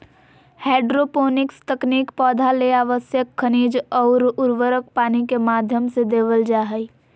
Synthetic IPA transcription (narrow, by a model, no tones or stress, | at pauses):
heːɖɾopoːnɪkst̪əkniːkpɔːd̪ʱaleaːʋəsjəkʰːəniːd͡ʒɔːɾʊɾʋəɾək̚paːnikemaːd̪ʱjəmsed̪eːʋəld͡ʒaːɦəi